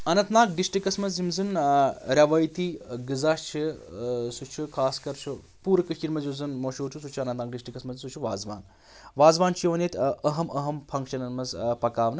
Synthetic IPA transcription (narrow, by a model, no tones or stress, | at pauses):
ɐnɐnt̪naːk̚ɖisʈɾikɐsmɐzimzɨnɾʲɐʋɐjt̪iɡɨzaːʃt͡ʃʰisut͡ʃʰukʰaːskɐɾt͡ʃʰu | puːɾkɨiɾmɐzjuzɨnmoʃoːt͡ʃʰusut͡ʃʰuɐnɐnt̪naːk̚ɖisʈɾikɐsmɐzsut͡ʃʰuʋaːzʋa̰ːn | ʋaːzʋaːnt͡ʃʰijiʋɐneːt̪ʰɐɦɐmɐɦɐmpʰɐŋkʃɐnɐnmɐzpɐkaːʋnɨ